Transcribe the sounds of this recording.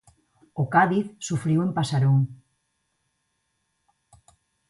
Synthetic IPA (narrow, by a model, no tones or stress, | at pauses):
okaðiθsufɾiwempasaɾuŋ